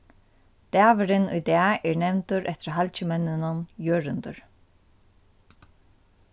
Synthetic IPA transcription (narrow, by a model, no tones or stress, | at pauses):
d̪̥æːvɪɾɪnṵjd̪æːɛɹnɛvnt̪ʊɾʔɛt̪ɪɾɦalt͡ʃɪmɛnːɪnʊnjøːɾɪnd̪ʊɾ